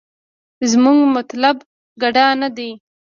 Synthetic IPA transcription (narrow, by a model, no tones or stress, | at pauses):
zmuŋɡmat̪lab | ɡaɖanad̪e